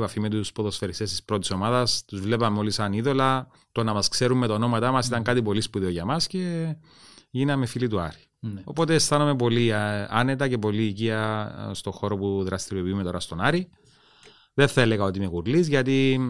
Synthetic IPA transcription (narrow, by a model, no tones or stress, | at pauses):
pɐfime̞t̪̬uspo̞ðo̞sfe̞ɾist̪est̪ispɾo̞t̪i̥so̞mɐðɐst̪uzvle̞pɐmeo̞lisɐniðo̞lɐ | t̪o̞nɐmɐskse̞ɾumːe̞t̪aono̞mɐt̪ɐmɐsit̪ɐŋkɐt̪ipo̞lispuðeo̞ʝɐmɐsce̞ | ʝinɐmefilit̪uɐ̰ɾ | o̞po̞t̪e̞ːst̪ɐnome̞p̬o̞liɐ̰ne̞t̪ɐce̞po̞liːciɐst̪o̞xo̞ɾo̞puðɾɐst̪iɾiopiumet̪o̞ɾɐst̪o̞nɐɾi | ðenθɐele̞ɣɐo̞t̪ime̞ɣuɾlizʝɐt̪i